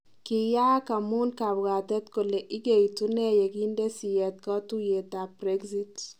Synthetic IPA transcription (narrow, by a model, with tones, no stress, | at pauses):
ki˨ja˦ka˨mu˦nka˨bɣa˨tɛ˦t̪ko˨le˨ʔɪ˦ɡe˨itu˦nɛ˦je˨ki˦nde˦si˨jɛ˨t̪̚kɔ˦tu˦je˨ta˨pre˦ɡzi˦t